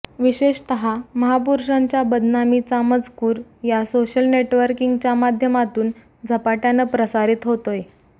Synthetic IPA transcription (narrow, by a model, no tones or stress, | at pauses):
ʋiɕeɕt̪əɦaməɦapuɾʂaɲt͡ɕjabəd̪namit͡saməd͡zkuːɾjasoɕəlneʈʋəɾkiŋɡt͡ɕjamad̪ʱjəmat̪uːn | d͡zʱəpaʈjanəpɾəsaɾiːt̪ɦot̪oje